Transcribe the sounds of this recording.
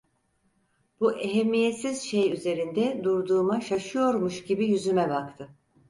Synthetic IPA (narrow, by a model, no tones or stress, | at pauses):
b̥uʔeɦemːije̞sizʃe̞jyze̞ɾind̪ɛd̪uɾd̪uːmaʃaʃɯjo̞ɾmuʃɟibijyzymɛbakt̪ʰɯ